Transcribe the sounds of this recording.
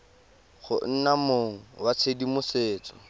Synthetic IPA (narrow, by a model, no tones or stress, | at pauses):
χʊ̰n̩namoŋ̩wat͡sʰedimʊseːt͡sɔ̥